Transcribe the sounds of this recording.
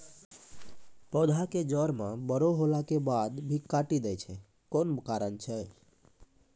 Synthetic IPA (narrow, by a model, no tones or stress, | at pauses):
pɔd̪ʱaked͡ʒəɾmãbəɾoɦolakebad̪bʱikaʈid̪ɛt͡ʃʰɛ | konbəkaɾənt͡ʃʰɛ